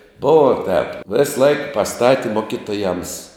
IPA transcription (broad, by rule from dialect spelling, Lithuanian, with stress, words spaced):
ˈbʊʋoː tʲɛːp ˈʋʲeːsˌlˠɐɪk pɐˈstɑːtʲɪ ˈmoːkʲɪˌtoːjɛms